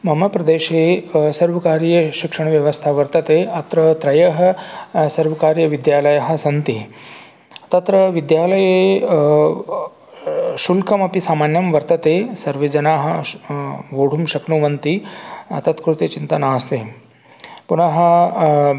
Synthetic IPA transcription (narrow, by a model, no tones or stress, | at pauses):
mʱɐmɐpɾɐd̪eːʃeːsɐɾʋɐkaːɾjɐʃikʂɐɳ̃ʋjɐʋɐst̪ʰaʋɐɾt̪ɐt̪eːʔɐt̪ɾɐt̪ɾɐjɐɦɐ̆sɐɾʋɐkaːɾjɐʋid̪jaːlɐjɐɦɐ̆sɐnt̪i | ɐt̪ɐt̪ɾɐʋid̪jaːlɐje | ʃulkʰɐmɐpisaːmaːnjɐmʋɐɾt̪ɐt̪eːsɐɾʋed͡ʒɐnaːɦɐ̆ | ʋoːɽ̤ʱumʃɐknuʋɐnt̪iɐ̰t̪ɐt̪kɾut̪et͡ʃint̪ɐnaːst̪ḛː | punɐɦɐ̆